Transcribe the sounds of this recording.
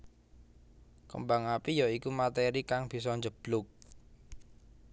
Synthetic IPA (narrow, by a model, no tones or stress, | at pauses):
kə̰mbaŋapijɔikumat̪eɾikaŋb̥i̤s̬ɔɲd͡ʒəb̥lʊk̚